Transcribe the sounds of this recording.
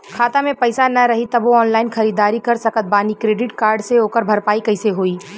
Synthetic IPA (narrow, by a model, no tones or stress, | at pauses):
kʰaːt̪amẽpɐɪsanɐɾɐɦit̪ɐboɔːnlaːɪnxɐɾiːd̪aːɾikɐɾsɐkət̪̚baːnikɾeːɖɪʈkaːɾɖseoːkəɾbʱɐɾpaːikɐɪseɦoːiː